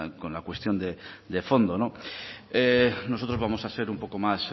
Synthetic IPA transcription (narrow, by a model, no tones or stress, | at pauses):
ko̞nlakwe̞st̪jo̞nd̪ed̪efo̞nd̪o̞noeno̞so̞t̪ɾozβamo̞sase̞ɾumpo̞ko̞mas